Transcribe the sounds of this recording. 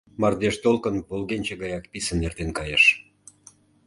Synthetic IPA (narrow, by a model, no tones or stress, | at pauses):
mɑrd̪eʃt̪olkənpolɣenʲt͡ɕeɣɑjɑkpisənert̪enkɑjeʃ